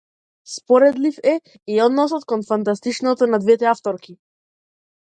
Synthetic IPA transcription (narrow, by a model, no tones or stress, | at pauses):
spɔɾɛd̪lifɛ | iɔd̪nɔsɔt̪kɔnfant̪ast̪it͡ʃnɔt̪ɔnad̪vɛt̪ɛaft̪ɔɾki